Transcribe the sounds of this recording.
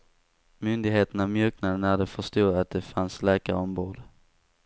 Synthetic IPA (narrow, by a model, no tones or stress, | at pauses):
mʏnd̪ɪɡɦeːt̪ənavmjøːknad̪ənæd̪ɛfœʂt̪uːat̪̚d̪ɛfanslɛːka̰ɾɔmboːd̪